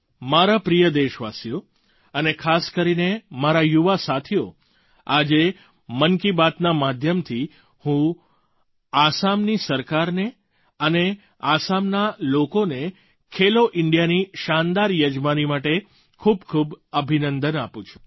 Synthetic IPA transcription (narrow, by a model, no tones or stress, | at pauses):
maɾapɾijəd̪eʃʋasjo | ənekʰaskəɾinemaɾajuʋasat̪ʰijo | ad͡ʒe | mənkibat̪namad̪ʱjəmt̪ʰi | hũ | asamnisəɾkaɾne | əne | asamnalokone | kʰeloʔɪɳɖijaniʃand̪aɾjəd͡ʒmanimaʈe | kʰubkʰubəbʱinənd̪ənapũt͡ʃʰu̥